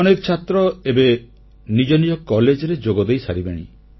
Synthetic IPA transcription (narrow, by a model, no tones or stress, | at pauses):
ɔnekɔt͡ʃʰat̪ɾɔebe | nid͡ʒɔnid͡ʒɔkɔled͡ʒɔɾed͡ʒoɡɔd̪ejsa̰ɾibeɽ̃ḭ